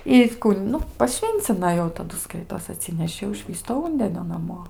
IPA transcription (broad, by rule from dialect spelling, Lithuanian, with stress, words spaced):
ɪ ˈkuː ˈnʊ pɐˈʃʲʋʲiːnʲt͡sʲɪnɐ ˈjɛʊ tɐˈdʊ ˈskɐɪtoːs ɐˈtʲsʲɪnʲɛʃʲɪ jɛʊ ˈʃʲʋʲiːstoː ˈuːnʲdʲɛnʲoː nɐˈmoː